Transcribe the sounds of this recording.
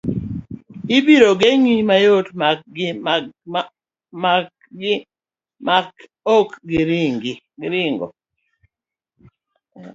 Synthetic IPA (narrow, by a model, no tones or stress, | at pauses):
ɪbiɾoɡeŋimajotm | ma | ɡɪ | mak | okɡɪɾiŋɡi | ɡɪɾɪŋɡo̰